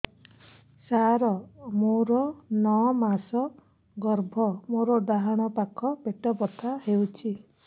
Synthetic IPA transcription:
saɾɔmoɾɔnɔmasɔ | ɡɔɾbʱɔmoɾɔɖaɦaɽ̃ɔpakʰɔbeʈɔbɔt̪ʰahewt͡ʃʰi

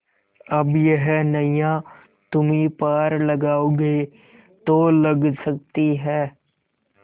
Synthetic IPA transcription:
ɐbjəɦnɐjã | t̪ʊmipaːɾlɐɡaːoːɡe | t̪oːlɐɡsɐk̚t̪iɦɛː

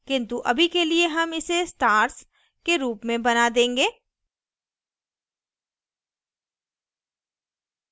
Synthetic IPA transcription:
kɪ̃nt̪uʔɐ̰bʱikelieɦɐmɪsesʈaːɾs | keɾuːpmẽbɐnad̪ẽːŋɡeː

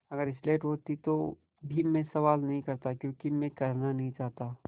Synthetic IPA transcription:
ɐɡəɾɪsleːʈɦoːt̪it̪o | bʱimẽsɐʋaːlnɐɦĩkɐɾt̪akjõːkimẽkɐɾnanɐɦĩt͡ʃaːɦt̪aː

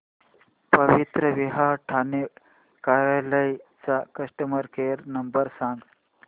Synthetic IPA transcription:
pəʋit̪ɾəʋiɦaʈʰane | kaɾjaləjt͡sakəʂʈəməɾkeɾnəmbəɾsãŋɡ

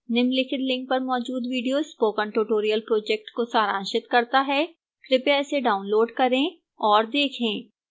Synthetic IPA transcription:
nɪmlɪkʰɪt̪lɪ̃ŋk̚pɐɾmɔːd͡ʒuːd̪ʋiːɖijoːspoːkə̃ɳʈoːʈoːɾijəlpɾoːd͡ʒɛk̚ʈkosaːɾãːnʃɪt̪kɐɾt̪aɦɛː | kɾɪpeɛːseɖaːʊnloːɖkɐɾẽː | ɔːɾd̪eːkʰẽː

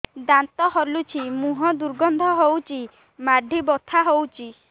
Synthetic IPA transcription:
d̪ant̪ɔɦɔɾlut͡ʃʰimuɦɔd̪uɾɡɔnd̪ʱɔɦowt͡ʃʰi | maɖʱibɔt̪ʰaɦowt͡ʃʰi

